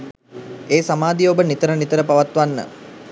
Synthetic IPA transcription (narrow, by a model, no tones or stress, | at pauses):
eːsamaːd̪iobənit̪əɾənit̪əɾəpaʋat̪ʋanːə̰